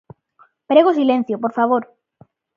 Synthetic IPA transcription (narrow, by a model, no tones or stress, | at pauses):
pɾeɣ̞osilẽn̟θjopoɾfaβ̞oɾ